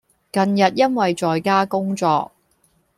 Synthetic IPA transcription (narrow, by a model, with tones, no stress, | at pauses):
kɐ˨njɐ˨t̚jɐ˥nwɐ˨jt͡ʃɔː˨jkaː˥kʊ˥ŋt͡sɔ̰ː˧k̚